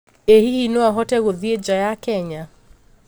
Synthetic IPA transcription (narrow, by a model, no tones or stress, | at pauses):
ehihinɔaɦɔtɛɣoðied͡ʒajakɛɲa